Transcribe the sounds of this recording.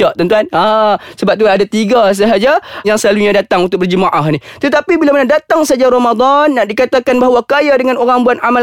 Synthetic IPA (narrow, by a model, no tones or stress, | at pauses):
aʔt̪ənt̪uanasəbap̚t̪uanadat̪iɡas̬əɦad͡ʒajaŋsəlaluɲadat̪aŋunt̪ʊk̚bərd͡ʒəmaʔaɦnit̪ət̪apibilamanadat̪aŋsad͡ʒaɾamad̪ˤanːaʔdikat̪akanbaɦwakajadəŋanoɾaŋbuanamal